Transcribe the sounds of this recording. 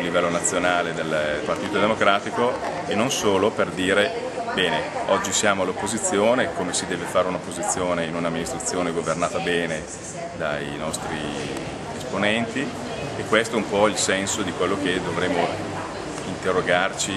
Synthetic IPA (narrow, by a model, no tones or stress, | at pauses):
livɛlːonat̪sːjonaːled̪elpart̪iːt̪od̪emokɾaːt̪iko | enːonsoːloperd̪iːɾe | bɛːneɔd͡ʒːisjaːmoalːopːozit̪sːjoːnekomesid̪ɛːvefaːɾeunopozit̪sːjoːneinunamːinist̪ɾat̪ːjoːneɡovernaːt̪abɛːne | d̪a̰inɔst̪ɾi | esponɛnt̪i | ekːwest̪oɛumpɔilsɛnsod̪ikwelːok̟ed̪ovɾeːmːo | int̪erːoɡart͡ʃi